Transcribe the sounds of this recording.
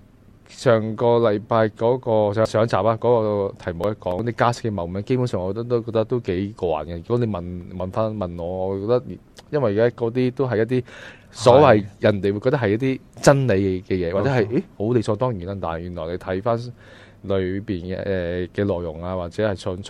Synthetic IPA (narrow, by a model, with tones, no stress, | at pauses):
t͡ʃʰœː˨˩ŋkɔː˧lɐ˨˧jpaː˧jkɔː˨˥kɔː˧ssœː˨˥ŋt͡sa̰ː˨p̚aː˧˥kɔː˨˥kɔː˧t̪ʰɐ˨˩jm˨wjɐ˥kɔː˨˥ŋ˥t̪iː˥kaː˥sɪ̥˥kːɛ˧mɐ˨˩wmɛː˨˥ŋke˥jpʰu˨˥nsœː˨ŋɔː˨˧t̪ɐ˥t̪o˥wkɔː˧kt̪ɐ˥k̚t̪o˥wke˨˥jkwa̰ː˨nkɛ˧jyː˨˩kɔː˨˥ne˨˧jmɐ˨nmɐ˨nfaː˥nmɐ˨˩nŋɔː˨˧ŋɔː˨˧˨kɔː˧k̚t̪ɐ˥k̚ːjɐ˥nwɐ˨ji˨˩kaː˥kɔː˨˥t̪̬iː˥t̪o˥wɦɐ˨jɐ˥t̪̚iː˥ | sɔː˨˥wɐ˨jjɐ˨˩nt̪e˨jwu˧kɔ˧t̪ɐ˥hɐ˨jɐ˥t̚t̪iː˥t͡sɐ˥nle˨˧jɛ˧kɛː˧jɛː˨˧waː˨tt͡sɛ˨˥ɦɐ˨je˦˥ho˨˥wle˨˧jsʰɔː˧t̪ɔː˥ŋjiː˨˩naː˦˥t̪aː˨n˨jyː˨˩nlɔː˨˩jne˨˧jt̪ʰɐ˨˥jfaː˥n | lɵ˨˧ɥpiː˨˩n̰ɛː˨kɛː˧lɔː˨jːʊ˨˩ŋaː˧waː˨t̚t͡sɛː˨˥hɐ˨jsʰɵ˧nʰ˥